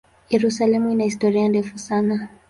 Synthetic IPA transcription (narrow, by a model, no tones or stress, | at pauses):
jɛɾusalɛmuinahistɔɾiandɛfusana